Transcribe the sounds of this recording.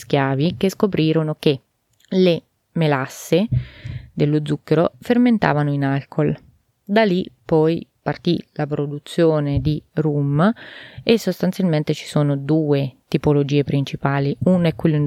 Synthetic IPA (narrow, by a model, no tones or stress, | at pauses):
sk̟jaːvikeskopɾiːɾonoke | le | melasːe | d̪elːod̪zːukːeɾoferment̪a̰ːvanoinalkʰol | d̪alːipɔjpart̪ḭlapɾod̪ut̪sːjoːned̪irum | esːost̪ant̪sjalment̪et͡ʃi̥soːnod̪uːet̪ipolod͡ʒiːepɾint͡ʃipaːliunoɛkːwelːin